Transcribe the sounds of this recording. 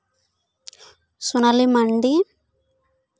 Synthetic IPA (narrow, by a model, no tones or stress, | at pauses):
sunɐlimɐɳɖi